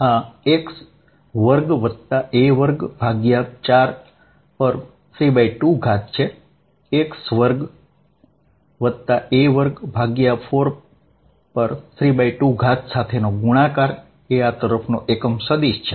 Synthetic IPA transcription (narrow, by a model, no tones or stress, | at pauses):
ɦãeks | ʋəɾɡʋəd̪t̪aʔeʋəɾɡbʱaɡjat͡ʃaɾ | pəɾ | fʰɾibaiʈuɡʱat̪̚t͡ʃʰe | eksʋəɾɡ | ʋəd̪t̪aʔeʋəɾɡbʱaɡjafʰoɾ | pəɾtʰɾibaiʈuɡʱat̪sat̪ʰenoɡuɽ̃ãkaɾ | eat̪əɾəfʰnoʔekəmsəd̪iʃt͡ʃʰe